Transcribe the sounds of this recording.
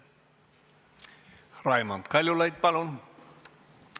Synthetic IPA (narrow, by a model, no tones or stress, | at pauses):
rɑjmant̪kɑlʲjolɑjt̪̚pɑlon